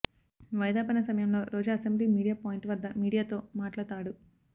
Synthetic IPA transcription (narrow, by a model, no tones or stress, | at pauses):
ʋɐjd̪aːpɐnɐsɐmɐjɐmlo̞ːɾoːd͡ʒaɐsembliːmiːɽijaːpoːjiɳʈʋɐd̪ːɐmiːɽijaːt̪o̞ːmaːʈlat̪aːɽu